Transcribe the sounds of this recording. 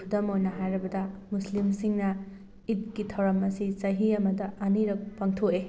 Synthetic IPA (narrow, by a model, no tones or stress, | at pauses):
kʰudɐmojnɐɦajɾɐbɐdɐmuslimsiŋnɐ | it̚kitʰɐwɾɐmɐsisɐɦiɐmɐdɐʔɐniɾɐk̚pɐŋtʰoe